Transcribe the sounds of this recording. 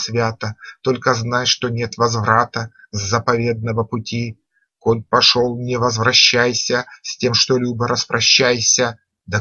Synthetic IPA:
sʲvʲat̪ət̪o̞lʲkəznajʂt̪onʲe̞t̪vɐzvɾat̪əzːəpɐvʲe̞d̪̚nəvəpʊtʲi | kolʲpɐʂolˠnʲɪvəzvɾɐɕːæjsʲəsʲtʲe̞mʂt̪olʲubəɾʔəspɾʔɐɕːæjsʲə | d̪ɐ

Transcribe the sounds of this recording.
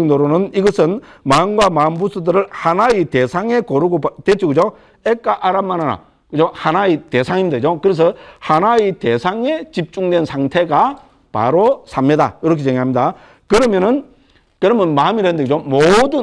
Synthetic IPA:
ŋdoɾonɯniɡʌsʰɯnmaɯnɡwamaɯmbusʰudɯɾɯɭhanaitesʰaŋe̞koɾuɡotwet͡ɕʰiɡɯd͡ʑo | ek͈aʔaɾamːanɦana̰ | kɯd͡ʑohanaite̞sʰaŋimɲid̪aɡd͡ʑokɯɾes̬ʰʌhanaitesʰaŋe̞t͡ɕip̚t͡ɕ͈uŋdwe̞nsʰaŋtʰe̞ɡa | pa̰ɾosʰamɲida̰iɾʌkʰet͡ɕeŋɡɦamɲida | kɯɾʌmjʌnɯn | kɯɾʌmjʌnmamiɾandeɡɯd͡ʑomodɯ

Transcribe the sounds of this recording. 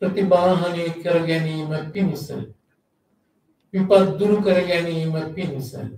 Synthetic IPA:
pɾɐt̪ibaːɦɐnikɐɾɐɡɛnimɐpinsḛ | ʋipɐd̪d̪uɾukɐɾeɡɛnimɐpinsḛ

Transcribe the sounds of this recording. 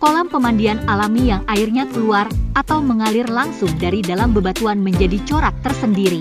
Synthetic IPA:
kolampəmandianalamijaŋairɲakəluarʔat̪awməŋalɪrlaŋsʊŋdaɾidalambəbat̪uanməɲd͡ʒadit͡ʃoɾak̚t̪ərsəndiɾi

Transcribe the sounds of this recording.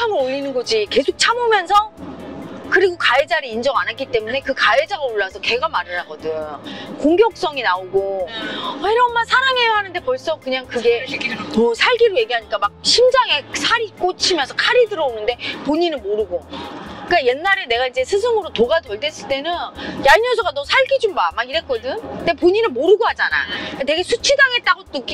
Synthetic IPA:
t͡ɕʰamɯnoʎːinɯnɡod͡ʑike̞sʰok̚t͡ɕʰamomjʌnsʰʌ | kɯɾiɡokaed͡ʑaɾeind͡ʑʌŋanatk͈it͈e̞mune̞kɯkaed͡ʑaɡaoɭːasʰʌke̞ɡamaɾɯɾaɡʌdɯkoŋɡjʌk̚s͈ʌŋinaoɡo | eɾʌnmansʰaɾaŋe̞jʌɦanɯnde̞pʌɭs͈ʌkɯɲaŋkɯɡe̞mʌsʰaɭɡiɾoje̞ɡiɦaɲik͈amak̚ɕʰimd͡ʑaŋe̞sʰaɾik͈ot͡ɕʰimjʌnsʰʌkʰaɾidɯɾʌonɯnde̞poɲinɯnmoɾɯɡok͈ajenːaɾene̞ɡaid͡ʑe̞sʰɯsʰɯŋɯɾotoɡatʌɭte̞s͈ɯɭt͈e̞nɯnjaɲʌs̬ʰʌɡanʌsʰaɭɡid͡ʑumbamaɡiɾe̞t̚k͈ʌdɯnde̞poɲinɯnmoɾɯɡoɦad͡ʑana̰kate̞ɡe̞sʰut͡ɕʰidaŋe̞t̚t͈aɡotɯk͈

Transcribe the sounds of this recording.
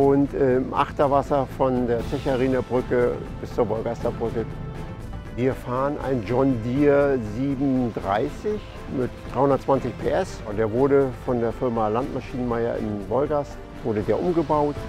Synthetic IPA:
ʔʊntʔɛːmʔa̰χtɐvasɐfɔndeːɐt͡sɛçaʁiːnabʁʏkə | b̥ɪst͡suːɐvɔlɡastɐbʁʏkə | viːɐfaːʁənʔa̰ɪnd͡ʒɔndiːɐziːbm̩dʁa̰ɪsɪç | mɪtd̥ʁaɪhʊndɐtt͡sv̥ant͡sɪçpʰeːʔɛsʊntd̥eːɐvʊɐɾəfɔndeːɐfɪɐmalantmaʃiːnənmaɪɐ̰ʔɪ̰mvɔlɡast | v̥ʊɐɾədeːɐʔʊmɡəbaʊt

